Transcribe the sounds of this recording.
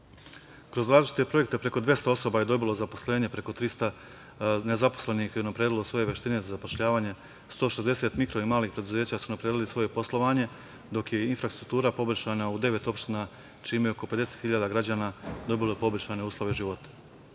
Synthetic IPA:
kɾo̞zɾaːzlit͡ʃi̥t̪e̞pɾo̞je̞k̚t̪e̞pɾe̞ko̞d̪ʋje̞st̪ao̞so̞baje̞d̪o̞bilˠo̞zaposle̞ːɲe̞pɾe̞ko̞t̪ɾist̪a | ne̞zaposle̞nixeunapɾeːd̪ilosʋo̞je̞ʋe̞ʃt̪ine̞zazapo̞ʃʎaːʋaːɲe̞ | st̪oʃe̞zd̪e̞set̪mikɾo̞imaːliːxpɾe̞d̪uze̞ːt͡ɕasunapɾeːd̪ilisʋo̞je̞po̞slˠo̞ʋaːɲe̞ | d̪o̞kje̞infɾast̪ɾuk̚t̪uːɾapo̞blʲʃaːnaud̪e̞ʋe̞t̪o̞pʃt̪ina | t͡ʃiːmejeoko̞pe̞d̪e̞se̞t̪xiʎaːd̪aɡɾad͡ʑaːnad̪o̞bilojepo̞blʲʃaːne̞uːslˠo̞ʋeuʒiʋo̞t̪ḁ

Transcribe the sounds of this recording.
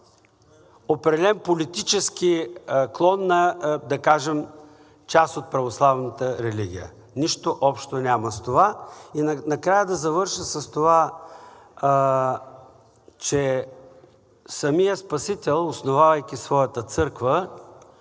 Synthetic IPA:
opɾɛd̪ɛlɛmpolit̪it͡ʃɛskiklˠɔnːɐd̪ɐkaʒɛm | t͡ʃast̪ot̪̚pɾɐvoslˠavnət̪əɾɛliɡ̟ʲḭjə̰ | niʃt̪oʔɔpʃt̪onʲaməst̪ovainnɐkɾajəd̪ɐzɐvɤɾʃəsɐst̪ova | t͡ʃɛ | sɐmijəspɐsit̪ɛlˠosnovavɐjk̟ʲisvɔjət̪ət̪sɤɾkvə

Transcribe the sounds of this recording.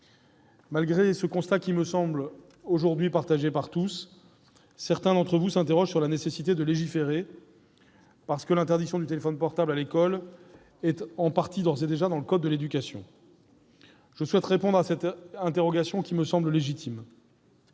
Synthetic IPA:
malɡʁesəkɔ̃st̪akʲiməsɑ̃bl | oʒuʁd̪ɥipaʁt̪aʒepaʁt̪usː | ɛʁt̪ɛ̃d̪ɑ̃t̪χəvusɛ̃t̪eʁɔʒsyʁlanesesit̪ed̪əleʒifeʁe | paʁsə̥kəlɛ̃t̪ɛʁd̪iksjɔ̃d̪yt̪elefɔnpɔʁt̪ablalekɔl | ɛt̪ɑ̃paʁt̪id̪ɔʁzed̪eʒad̪ɑ̃ləkɔd̪̚ːəled̪ykʲasjɔ̰̃ | ʒ̥əswɛt̪ʁepɔ̃d̪ʁasɛt̪ɛ̃t̪eʁɔɡasjɔ̃kʲiməsɑ̃bləleʒit̪ʰim

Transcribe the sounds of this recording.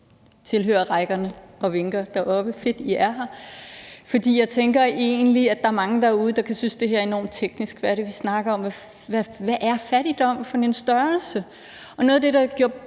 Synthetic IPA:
t͡sʰe̝lɦø̰ːɐʁaɪɡ̥ɐnəɒ̽ʋe̝ŋɡ̥ɐd̥ɑʔɒ̽b̥əfe̝d̥iʔæɐɦɑ | fɒ̽d̥ḭːjɑ̈ɪt͡sʰeŋɡ̥ɐʔe̝̰ːnliæd̥ɑ̈æɐmɑ̈ŋəd̥ɑ̈æuːð̞ˠəd̥ɑ̈kʰæsynsd̥e̝ɦæ̰ɐe̝nɒ̰ːmt͡sʰeɡ̥nisɡ̥ʋæɐɾ̥e̝ʋisnɑ̈ɡ̥ɐɒ̽mʋæ | ʋæʋæʔæɐfæɾ̥id̥ɒ̽m̰fɒ̽ninsd̥ɶɐlsə | ʔɒ̽nɔ̽ːð̩ˠd̥e̝ɾɑ̈ɡ̥jo̝ɐ

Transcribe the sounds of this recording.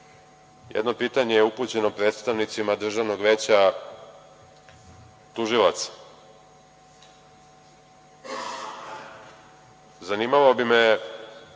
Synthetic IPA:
jḛd̪no̞piːt̪aɲejeuput͡ɕe̞no̞pɾe̞ːt̪st̪aʋnit̪simad̪r̩ʒaʋno̞ɡʋeːt͡ɕa | t̪uʒilˠat̪sḁ | zaniːmaʋaobime

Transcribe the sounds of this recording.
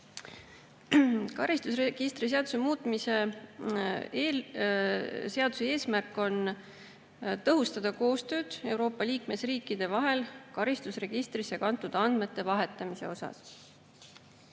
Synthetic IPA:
kɑɾist̪usreɡ̥ist̪ɾis̬eɑd̪̥use̞muːt̪ˑmise̞ | seɑd̪̥usee̞ːsmærkːˑo̞n | t̪ɤɦust̪ɑd̪̥ɑko̞ːst̪ø̞ːd̪̥e̞wɾo̞ːpːˑɑliːkme̞sriːkːid̪̥e̞vɑɦe̞lkɑɾist̪usre̞ɡ̥ist̪ɾisekɑnt̪ːˑud̪̥ɑnd̪̥me̞t̪ːe̞vɑɦe̞t̪ːˑɑmise̞̰o̞sɑ̰s

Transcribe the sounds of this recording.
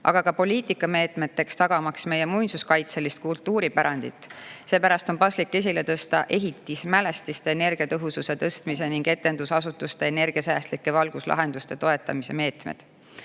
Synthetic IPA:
ʔɑ̰ɡ̥ɑkɑpo̞lʲiːt̪ˑikːˑɑme̞ːt̪ˑme̞t̪ːe̞kst̪ɑɡ̥ɑmɑksme̞je̞mujnsuskɑjt̪selist̪̚kult̪ːuːɾipæɾɑnd̪̥ḭt̪ːˑse̞ːpæɾɑst̪o̞npɑslikːe̞s̬ʲile̞t̪ɤst̪ɑʔe̞ɦit̪ːˑismæle̞st̪ist̪e̞ːne̞rɡ̥iɑt̪ɤɦususe̞t̪ɤst̪mise̞niŋɡ̥e̞t̪ːe̞nd̪usɑsut̪ːˑust̪e̞ːne̞rɡ̥iɑsæːst̪likːe̞vɑlɡ̥uslɑ̰ɦe̞nd̪̥ust̪e̞t̪o̞e̞t̪ːˑɑmise̞me̞ːt̪mḛd̪̥

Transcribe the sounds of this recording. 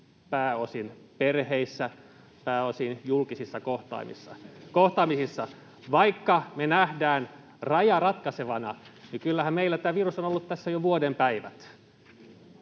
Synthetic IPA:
pæːosinperheisːæ | pæːosinjulkisisːɑkoht̪ɑ̰imḭsːɑ̰koht̪ɑːmisisːɑ | ʋɑikːɑmenæhdæːn | rɑjɑrɑt̪kɑseʋɑnɑnikylːæhæmmeilːæt̪æːʋirusonolːut̪t̪æsːæjoʋuodempæiʋæ̰t̪

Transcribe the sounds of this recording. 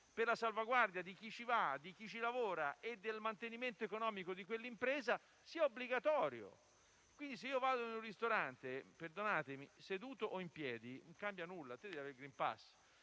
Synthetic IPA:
perlasalvaɡward̪jad̪ik̟it͡ʃivad̪ik̟it͡ʃilavoːɾaʔed̪ːelmant̪eniment̪oekonɔːmikod̪ikwelːimpɾeːza | siaobliɡat̪ɔːɾjo̰ | kwind̪is̬eiːovaːd̪oinũnrist̪oɾant̪eperd̪onaːt̪emised̪uːt̪oʔoimpjɛːd̪inoŋkambjanulːat̪ed̪ɛvjaveɾiɡɾimpa̰sː

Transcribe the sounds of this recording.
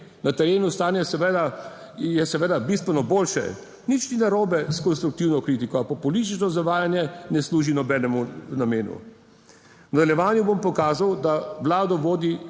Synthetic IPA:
nat̪ɛɾeːnust̪aːnjɛsɛʋed̪a | jɛsɛʋeːd̪abist̪ʋɛnɔboːlʃɛ̰ | nit͡ʃninaɾoːbɛskɔnst̪ɾuk̚t̪iwnɔkɾit̪ikɔapapɔlist̪it͡ʃnɔzaʋaːjanjɛnɛsluːʒinɔbɛːnɛmunameːnṵ | nad̪ɛljɛʋaːnjubompɔkaːzawd̪aʋlaːd̪ɔʋoːd̪i

